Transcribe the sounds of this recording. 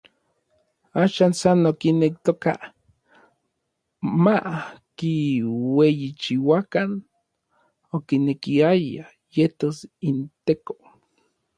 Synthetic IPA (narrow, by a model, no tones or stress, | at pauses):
aːʃansanokinek̚t̪oka̰ | makiwejit͡ʃiwakan | okinekiaja | jet̪osint̪eko̥